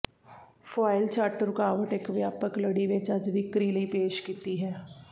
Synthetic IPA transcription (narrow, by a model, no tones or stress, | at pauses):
faːɪlt͡ʃaːʈəɾʊkaːʋəʈeːkʋjaːpəkləɽiʋet͡ʃɐd͡ʒʋɪkɾiːləipeːʃkit̪iɦɛː